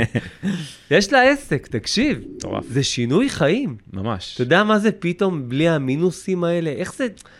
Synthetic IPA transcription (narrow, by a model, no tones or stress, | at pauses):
jeʃlae̞se̞kt̪akʃivo̰a̰zeʃinujχaimma̰ma̰ʃt̪od̪aamazepit̪o̞mbliaminusimae̞le̞ʔe̞χz̥e